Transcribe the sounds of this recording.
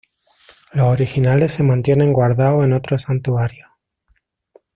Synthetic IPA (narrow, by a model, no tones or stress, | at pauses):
losoɾixinale̞sːe̞mãnt̪je̞nẽ̞ŋɡwaɾðaoe̞no̞t̪ɾo̞sant̪uaɾjo